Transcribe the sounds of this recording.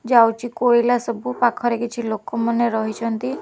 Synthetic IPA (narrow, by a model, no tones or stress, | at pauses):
d͡ʒawt͡ʃʰikoɽilasɔbupakʰɔɾekit͡ʃʰilokɔmɔneɾɔɦit͡ʃʰɔnt̪i